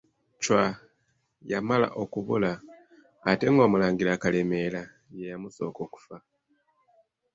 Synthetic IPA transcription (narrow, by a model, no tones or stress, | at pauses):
cwa | jamala̰ʔo̞kuβṵlaː | te̞ŋɡo̞ːmulaːɲɡiɾakaleme̞la | jejamuso̞̰ːko̞ːku̥fa